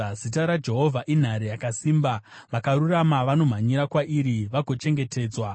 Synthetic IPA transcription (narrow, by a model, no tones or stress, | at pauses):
zitaɾad͡ʒe̞ɦo̞vʱaʔin̤aɾejakasiːmbaʋakaɾuramaʋano̞m̤aɲiɾakwaʔiɾiʋaɡʱo̞t͡ʃe̞ŋɡe̞te̞ːd͡zwa